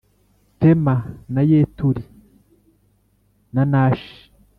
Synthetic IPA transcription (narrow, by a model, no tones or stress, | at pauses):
temanajetuɾi | nanaːʃi̥